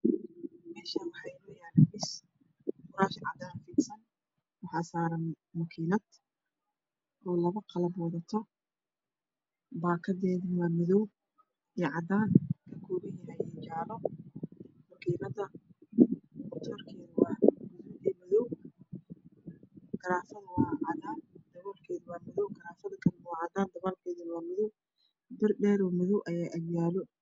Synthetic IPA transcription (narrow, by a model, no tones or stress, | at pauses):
mɛːʃɐwɑħɑjnʊjaːnɐβɪs | fʊɾaːʃɪnʕɑd̪aːnfiːksɐn | wɑħɑːsaːɾɐn | mʊkʰiːnɐd̪̥ | ʔɔːlɐβɐqɑlɐbwɑðɐt̪ʰɔ | baːkʰɐðɛːðɪwaːmɪðɔw | ɛːʕɑd̪aːnkʰɐkʰɔːɣɪjɪhɐjɛt͡ʃaːlɔ | mɐkiːnɐðɐ | mʊt̪ʰɔːrkʰɛːðwɑːɡʊɪdɛːmɪðɔw | ɡ̥ɐɾaːfɐðwɑːʕɑd̪aːnd̪̥ɐβɔːlkʰɛːðwaːmɪðɔwɡɐɾaːfɐðɐkʰɐmwɑːʕɑd̪aːnd̪ɐβalkʰɛːðɪnlɐmɪðɔw | bɪrɖɛːɾɔːmɪðɔwʔɐjaːʔɐβjaːlɔ